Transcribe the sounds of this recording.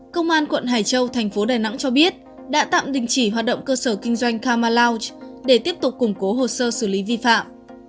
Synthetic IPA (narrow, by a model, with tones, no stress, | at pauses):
kə˧wŋ͡mʔaː˧nkwə̰˧˨nɦaː˨˩jt͡ɕə˧wt̪ʰɛ˨˩ŋ̟fo˨˦ɗaː˨˩jna̰˧˥ŋt͡ɕɔ˧ɓi˦˥ət̚ | ɗa̰ː˧˥t̪a̰ː˧˨mɗï˨˩ŋ̟t͡ɕi˧˩ɦwaː˨˩t̚ɗə̰˧˨wŋ͡mkəː˧səː˧˩kï˧ŋ̟zwa˧jŋ̟kaː˧maː˧laː˧wt͡ɕɗe˧˩t̪i˦˥əp̚t̪ʊ˨˩k͡p̚kʊ˨˩ŋ͡mko˨˦ɦo˨˩səː˧sɨ˧˩li˨˦vi˧fa̰ː˧˨m